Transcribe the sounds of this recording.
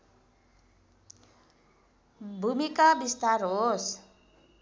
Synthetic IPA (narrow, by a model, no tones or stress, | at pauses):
bʱumikabist̪aɾɦos